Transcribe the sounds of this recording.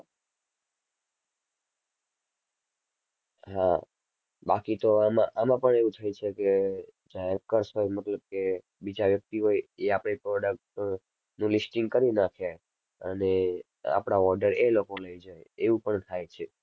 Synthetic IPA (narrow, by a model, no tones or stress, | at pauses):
ɦa | bakit̪oamãʔamãpəɳeʋũt̪ʰajt͡ʃʰeked͡ʒajəɾkəɾsojmət̪ləb̚ke | bid͡ʒaʋjək̚t̪iɦojeapɽ̃ipɾoɖəkʈ | nũlisʈĩŋɡkəɾinakʰa | ə̰ne | a̰pɽ̃aɔɾɖəɾelokoləid͡ʒajeʋũpəɳt̪ʰajt͡ʃʰe